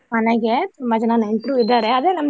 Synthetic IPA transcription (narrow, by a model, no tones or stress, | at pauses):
mɐnɐɡet̪umbɐd͡ʒɐnɐnɐiɳʈɾuːʋid̪ːaːɾeɐd̪enɐm